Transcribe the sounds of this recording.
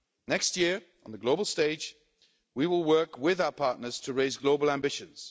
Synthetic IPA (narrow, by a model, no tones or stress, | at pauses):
nɛkstjɪəɹ | ʔə̃nðəɡloʊbəl̩ˠsteɪd͡ʒ | wiwɪlˠwɜˑ˞kwɪðaʊəpʰɑˑɹtnəz̥tʰəɹeɪzɡloʊbəlˠæ̃mbɪʃə̃nz̥